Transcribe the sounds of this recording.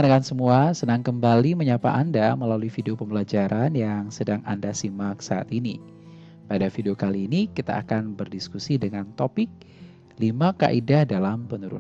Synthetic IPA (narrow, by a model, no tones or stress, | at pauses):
ənakansəmuasənaŋkəmbaliməɲapa̰ʔandaməlaluifideopəmbəlad͡ʒaɾʔanjaŋsədaŋa̰ndasimak̚saa̰t̪ini | padafideokaliːnikit̪a̰ːkanbərdiskusidəŋant̪opɪk̚ | limaka̰ʔidahdalampənuɾṵn